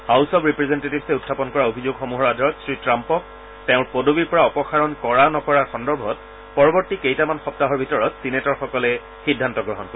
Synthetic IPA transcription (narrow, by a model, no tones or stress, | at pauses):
hawsɔpɹipɹezentetibsɛutʰːapɔnkɔɹaobʱizoɡxomuɦɔɹadʱɔɹɔtsɹitɹampɔk̚ | teʊ̃ɹpodobiɹpɔɹaɔpɔxaɹɔnkɔɹanɔkɔɹaɹxɔndɔɹbʱɔt̚ | pɔɹɔbɔɹtikejtamanxɔp̚taɦɔɹbʱitɔɹɔtsinetɔɹxɔkɔlɛ | xidʱːantɔɡɹɔɦɔnkoi